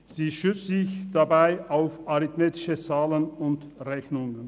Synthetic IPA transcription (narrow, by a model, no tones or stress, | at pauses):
z̥iːʃʏt͡sz̥ɪçd̥abaɪʔaʊfaʁɪtmeːtɪ̥ʃət͡saːlənʊntʁɛçnʊŋən